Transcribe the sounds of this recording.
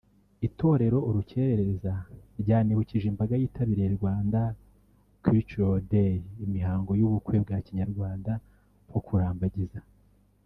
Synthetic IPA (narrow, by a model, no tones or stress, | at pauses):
ito̞ɾe̞ɾo̞ʔuɾuce̞ːɾeɾeɾezaɾɟaːniβuciʒimbaɡajiːtʰaβiɾejeɾɡwaːnda | kit͡ʃodeɾimihaːŋɡo̞juβukwe̞bɡaːciɲaɾɡwaːnda | pho̞kʰuɾaːmbaɟiza